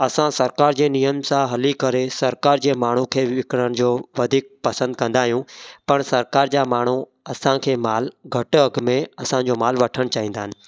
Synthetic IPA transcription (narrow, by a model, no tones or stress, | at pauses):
ɐsãsɐɾkaːɾd͡ʑeːnijəmsãɦɐlikɐɾesɐɾkaːɾd͡ʑeːmaːɳ̤ukʰeːʋɪkɪɽəɽ̃̆d͡ʑoːʋɐd̪ʱiːk̚pɐsə̃nd̪̚kɐ̃nd̪aːɦijũpɐɽ̃sɐɾkaːɾd͡ʑaːmaːɳ̤̃u | ɐsãkʰeːmaːlɡʱɐʈʊɐɡmẽɐsãd͡ʑoːmaːlʋɐʈʰəɽ̃t͡ɕaːɦĩːnd̪aːɦɪnɪ̆